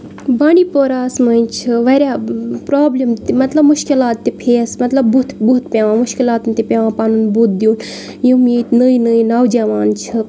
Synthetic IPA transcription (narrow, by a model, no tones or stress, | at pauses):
baːniːpoːɾaːsməint͡ʃʰɨʋɐɾʲjaːpɾaːblimt̪imɐt̪lɐbmʊʃkilaːt̪ːipʰeːsmɐt̪lɐbbut̪but̪pʲaːʋãːmʊʃkilaːt̪unt̪ipʲaːʋãːpaːnunbut̪̚d̪ijuːn | jũmjet̪nəinəinɐwd͡ʒaːʋaːnt͡ʃʰɨ